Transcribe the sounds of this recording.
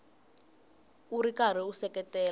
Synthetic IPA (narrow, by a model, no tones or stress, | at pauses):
uɾikaɾ̤iusɛkʼɛtʼɛːl